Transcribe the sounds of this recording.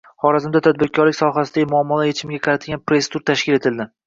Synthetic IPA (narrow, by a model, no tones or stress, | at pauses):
χɒɾazɪmd̪at̪ʰad̪̚bɪɾkʲʰɒɾlɪkʲsɒɦasɪd̪aɡʲɪmʊɒmːɒlˠajet͡ʃʰɪmɡʲaqʰɑɾat̪ʰɪɡʲanpɾe̞st̪uɾt̪ʰaʃkʲɪle̞t̪ʰɪld̪ɪ